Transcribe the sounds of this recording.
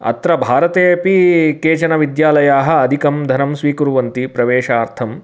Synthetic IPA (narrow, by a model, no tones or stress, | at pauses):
ɐ̰t̪ɾɐbʱaːɾɐt̪eːpikeːt͡ʃɐnɐʋid̪jaːlɐjaːɦɐ̆ːd̪ʱikɐmd̪ʱɐnɐmsʋiːkuɾuʋɐnt̪ipɾɐʋeːʃaːɾt̪ʰɐm